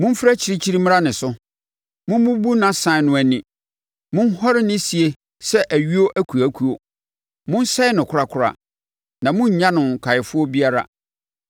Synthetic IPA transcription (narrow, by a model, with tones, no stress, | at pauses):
mʊ̃˦m̩˦fɾæ˦t͡ɕʰi˨˦ɾi˦t͡ɕʰi˦ɾi˦m̃˦ɾa˦nɪ̃˨sʊ˦ | mʊ̃˦m˦bũ˦bu˦nã˨sã˨nʊ̃˨æ˨nĩ˨ | mʊ̃˦n˦hɔ˦ɾɪ˦nɪ̃˦si˨e˦ | sɛ˦ʔæ˨ɥi˦o˦ʔæ˦kʰu˨æ˦kʰu˨o˨ | mʊ̃˦n˦sɛ˦ɪ˦nʊ̃˨kʰʊ˦ɾa˦kʰʊ˨ɾa̰˨ | nã˨mʊ̃˦ɲ̩˨ɲã˦nʊ̃˨n˨kʰa˨ɪ˨fʊ˦ɔ˦bi˦a˦ɾa̰˨